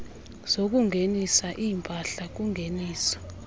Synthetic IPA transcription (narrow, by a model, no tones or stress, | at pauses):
z̥ok̬uŋʱenisaʔimpʼaɬak̬uŋʱeniːsɔ̥